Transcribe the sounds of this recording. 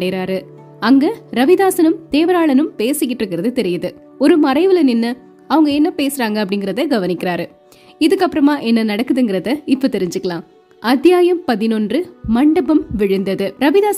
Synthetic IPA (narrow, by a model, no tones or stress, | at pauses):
ɽɐɾaːɾɯ | ɐŋɡɐɾɐʋɪðaːsɐnɯmt̪eːʋɐɾaːɭɐnɯmpeːsɯkːɪʈːrɯkːɪɾɐðɯt̪ɛɾɪjɐðɯ | ɔɾɯmɐɾɐɪʋɪlɐnɪnːɐ | ɐʋɐŋɡɐɛnːɐpeːsɯɾaːŋɡɐɐp̬ːɐɽɪŋɡɪɾɐðɐɡɐʋɐnɪkːɪɾaːɾɯ | ɪðɯkːɐpːɯɾɐmaːʔɛnːɐnɐɽɐkːɯðɯŋɡɪɾɐðɐɪpːot̪ɛɾɪɲd͡ʒɯkːɐɭãː | ʔɐd̪jaːjɐmpɐðɪnɔndrɯmɐɳɖɐbɐmʋɪɻɯnd̪ɐðɯɾɐʋɪðaːs